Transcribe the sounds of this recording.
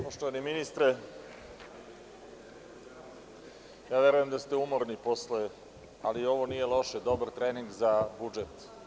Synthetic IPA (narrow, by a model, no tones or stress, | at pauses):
poʃt̪oʋaniminist̪ɾe | jaːʋje̞ɾujemd̪ast̪eumo̞ɾnipo̞sle | a̰lio̞ʋonije̞lˠo̞ʃed̪o̞baɾt̪ɾeːniŋɡzabud͡ʒet̪